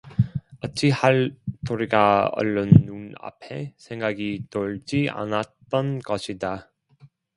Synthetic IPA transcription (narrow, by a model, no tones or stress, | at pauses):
ʌt͡ɕ͈ʰihaɭtoɾiɡaʌ̰ɭːonːuna̰pʰe̞sʰe̞ŋɡaɡitoɭd͡ʑia̰nat̚t͈ʌnɡʌɕʰida